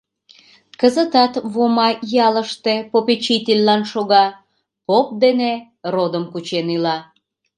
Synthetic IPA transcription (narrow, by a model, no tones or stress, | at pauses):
kəzət̪ɑt̪βomɑjɑləʃt̪epopet͡ɕit̪ʲelʲːɑnʃoɣɑ | pop̚d̪ene | rod̪əmkut͡ɕenilɑ